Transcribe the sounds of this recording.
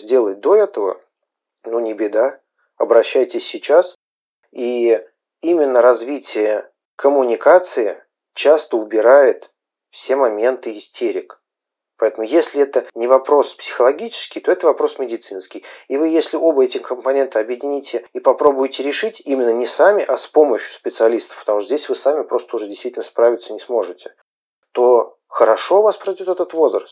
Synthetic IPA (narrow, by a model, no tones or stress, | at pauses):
zʲdʲe̞lˠət̚ʲd̪o̞ɛt̪əvə̰ | nunʲɪbʲɪd̪a | ɐbɾɐɕːæjtʲɪsʲːɪt͡ɕas | i | imʲɪnːəɾɐzvʲitʲɪjə | kʰəmʊnʲɪkat̪sɨɪ | t͡ɕast̪əʊbʲɪɾajɪt̪ | fsʲe̞mɐmʲent̪ɨɪsʲtʲʰeɾʲɪk | pɐɛt̪əmʊjesʲlʲɪɛt̪ənʲɪvɐpɾo̞spsʲɪ̥xəlˠɐɡʲit͡ɕɪ̥skʲɪjt̪oɛt̪əvɐpɾo̞smʲɪdʲɪt̪sɨnskʲɪjivɨjesʲlʲɪʔo̞bəɛtʲɪkəmpɐnʲe̞nt̪əɐbjɪdʲɪnʲitʲɪipɐpɾo̞bʊjɪtʲɪɾʲɪʂɨtʲimʲɪnːənʲɪsamʲɪʔaspo̞məɕjʊ̥spʲɪt̪sɨɐlʲist̪ə̥fpət̪ɐmuʂt̪zdʲesʲvɨsamʲɪpɾo̞st̪əʊʐɛdʲɪst̪vitʲlʲnəspɾavʲɪt̪sənʲɪsmo̞ʐɨtʲɪ̥ | t̪o̞ | xəɾɐʂo̞vaspɾɐdʲo̞t̪ɛt̪ət̪vo̞zɾəst̪